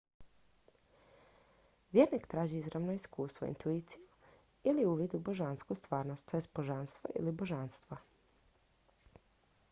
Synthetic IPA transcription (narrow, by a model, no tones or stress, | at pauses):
ʋʲjeɾnikt̪ɾaːʒiizɾaʋnoiskuːst̪ʋoḭnt̪uit̪siju | iliuʋid̪ubo̞ʒanskost̪ʋaːɾnost̪t̪ojesbo̞ʒanst̪ʋo̰ʔḭlibo̞ʒanst̪ʋa